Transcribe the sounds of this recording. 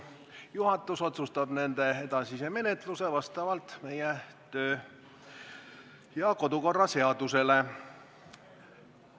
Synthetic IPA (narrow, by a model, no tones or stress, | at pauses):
juɦɑt̪ːˑuso̞t̪sust̪ɑb̥ne̞nd̪̥e̞e̞d̪̥ɑsiseme̞net̪ˑluse̞vɑst̪ɑvɑlt̪me̞jɛt̪ø̞ː | jɑko̞d̪uko̞rːɑse̞ɑd̪̥use̞le